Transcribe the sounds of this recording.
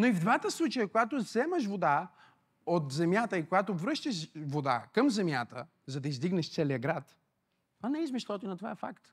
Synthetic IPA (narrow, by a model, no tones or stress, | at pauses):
noivd̪vat̪əslˠut͡ʃəjəkoɡat̪ozɛməʃ̬vod̪a | ot̪zɛmjat̪əikoɡat̪ovɾɤʃt̪əʃvod̪a̰kəmzɛmjat̪ə̰ | zɐd̪ɐizd̪iɡnɛʃt̪sɛliəɡɾat̪ | ɐnɛizmɛʃlˠɔt̪oinɐt̪ova̰ɛfa̰kt̪